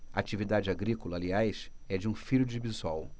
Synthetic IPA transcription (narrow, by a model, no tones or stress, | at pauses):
ɐat͡ʃivid̪ad͡ʒɪaɡɾikolɐːliajsɛd͡ʒɪũfiʎʊd͡ʒɪbizɔw